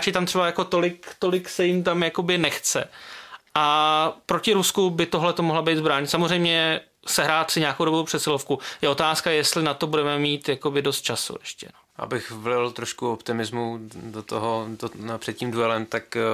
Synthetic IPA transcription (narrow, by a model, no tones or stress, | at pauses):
t͡ʃɪt̪amt̪r̥ɛbajako̞t̪o̞lɪkt̪o̞lɪksɛjɪmt̪amjako̞bɪnɛxt͡sɛ̰ʔapɾo̞cɪɾuskubɪt̪oɦlɛt̪omoɦlabejt̪zbɾaːɲɪt̪samozr̝ɛjmɲɛ | sɛɦɾaːt̪sɪɲaːkowdobowpr̝̥ɛt̪sɪlofkujɛʔo̞t̪aːskajɛst̪lɪnat̪obudɛmɛmiːt̪jako̞bɪdo̞st̪̚t͡ʃasṵʔɛʃcɛ̰noʔa̰bɪxvlɪlt̪ɾoʃkuopt̪ɪmɪzmudot̪oɦoopr̥ɛt̪̚ciːmdujɛlɛmt̪ak